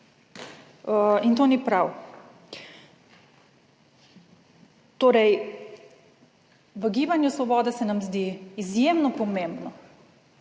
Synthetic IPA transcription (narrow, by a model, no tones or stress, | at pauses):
int̪oːnipɾaw | t̪oːɾɛj | ʋəɡiːbanjusʋɔbɔːd̪asɛnamzd̪iːizjemnɔpɔmẽmbnɔ